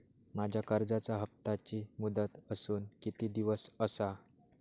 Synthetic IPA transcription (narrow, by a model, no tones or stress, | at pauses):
mad͡ʑʱjakəɾd͡zat͡saɦəp̚t̪at͡ɕiːmud̪ət̪əsuːnkit̪iːd̪iʋəsəsa